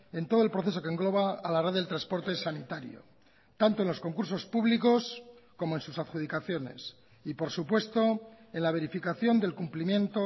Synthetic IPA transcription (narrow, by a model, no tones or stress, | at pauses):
e̞nt̪o̞ð̞oe̞lpɾoθe̞s̬o̞keŋɡlo̞βaːlareððelt̪ɾaspo̞ɾt̪e̞sanit̪aɾjo̰ | t̪ant̪oe̞nlo̞sko̞ŋkuɾso̞spuβliko̞sko̞moensusaðxuð̞ikaθjo̞ne̞̰s | ipo̞ɾsupwe̞st̪o̞ | e̞nlaβ̞e̞ɾifikaθjo̞nd̪e̞lkumplimjẽ̞nt̪o